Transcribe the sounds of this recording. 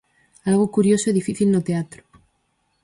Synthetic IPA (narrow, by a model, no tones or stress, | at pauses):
alɣ̞okuɾjosoiðifiθilnot̪eat̪ɾo̥